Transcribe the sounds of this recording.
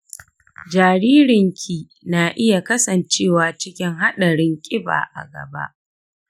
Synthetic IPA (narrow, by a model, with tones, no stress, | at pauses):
d͡ʒaː˨ɾiː˦ɾɪ˨ŋkʲʰiː˦ | naː˨ʔɪ˦ja˨kɐ˦sɐ˨nt͡ʃeː˦˨waː˨t͡ʃɪ˦kʲɪ˦ŋɦa˦ɗɐ˨ɽɪ˦ŋkʲʼɪ˦ba̰ː˨ʔa̰˨ɡɐ̰˨ba̰˦ʔ